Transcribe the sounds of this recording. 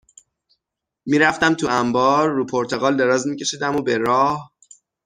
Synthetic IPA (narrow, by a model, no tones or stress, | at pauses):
miːɾæft̪æmt̪ʰuæmbɒːɾːupʰoɾt̪ʰeɣɒːld̪e̞ɾɒːzmiːcʰe̞ʃiːd̪æmobeɾɒːh